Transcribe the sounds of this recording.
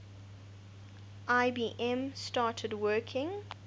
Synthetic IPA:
ʔaɪbiːʔɛ̃mstɑːˑtʰədwɜːˑkʰɪ̃ŋ

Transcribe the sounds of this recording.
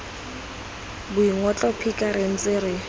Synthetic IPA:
bʊiŋɔt͡ɬʼɔpʰikʼaɾɪn̩t͡sʼɪɾɪ

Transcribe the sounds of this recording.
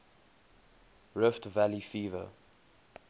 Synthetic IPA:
ɹɪftvalifiːvə̰

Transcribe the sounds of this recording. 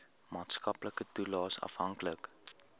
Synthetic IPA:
mɑːtskɐpləkətulɑːsɐ̰fɦɐŋklək

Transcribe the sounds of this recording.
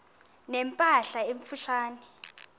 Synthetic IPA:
nɛmpʼaɬaeɱfuʃʰaːnɛ

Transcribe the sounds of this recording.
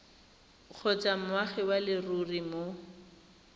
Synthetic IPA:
k͡xʰɔt͡sam̩ʊwaχɪwalɪrurimo

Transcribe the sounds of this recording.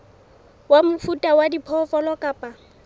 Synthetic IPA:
wamʊfutʼawadipʰɔfɔlɔkʼaːpʼa

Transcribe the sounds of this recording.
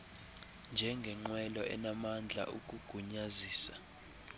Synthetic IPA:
nd͡ʒʱɛŋɡʱɛŋ͡ǃwɛlɔʔɛ̰namand͡ɮʱa̰ʔukʼuɡ̥ʱuɲaziːsḁ

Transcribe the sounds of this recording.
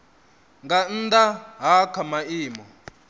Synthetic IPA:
ŋɡan̩daɦakʰamaiːmɔ

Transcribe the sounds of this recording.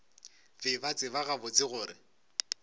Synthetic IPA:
fɪbat͡sʼɪβaɣabʊt͡sʼɪɣʊːɾɪ

